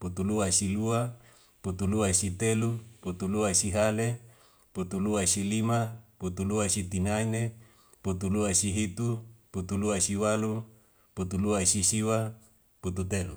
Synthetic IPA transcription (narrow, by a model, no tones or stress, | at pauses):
put̪uluasilua | put̪uluasit̪eluput̪uluasiɦale | put̪uluasilimaput̪uluasit̪inaine | put̪uluasiɦit̪uput̪uluasiwalu | put̪uluasisiwa | put̪ut̪elṵ